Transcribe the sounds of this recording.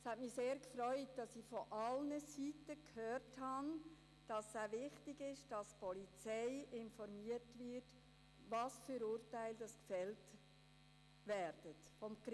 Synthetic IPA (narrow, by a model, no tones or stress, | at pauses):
shɛtmiseːɾkfɾœʏt̚d̥ɑsifɔʔɑlnəsitəkhøːrthɑn | d̥ɑsːaʋɪχtɪɡɪʃd̥ɑspɔlit͡sɛɪɪnfɔɾmiətvɪɾt | ʋɑsfyːɾʊːɾtæɪld̥ɑskfɛlt | ʋɛɾd̥ətfɔmk